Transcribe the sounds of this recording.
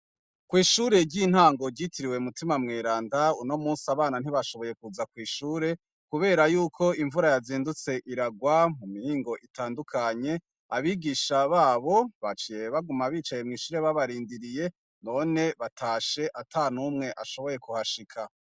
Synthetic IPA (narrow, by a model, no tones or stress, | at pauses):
kwiːʃuːɾe̞ɟin̥haːŋɡo̞ɟitiɾiwe̞umutimamŋeːɾaːndauno̞muːsiaβaːnan̥iβaʃo̞βo̞je̞kuzakwiːʃuːɾe̞ | kuβe̞ːɾajuːkʰo̞iɱvuɾajaziːndut͡se̞ʔiɾaɡwamumihiːŋɡo̞ʔitaːndukʰaɲe̞ | aβiɡiʃaβaːβo̞βat͡ʃije̞βaɡumaβiːt͡ʃaje̞mŋiːʃuːɾe̞βaβaɾiːndiɾije̞ | no̞ne̞βatʰaːʃe̞ʔatʰaːn̥umŋe̞ʔaʃo̞βo̞je̞kuhaʃikʰa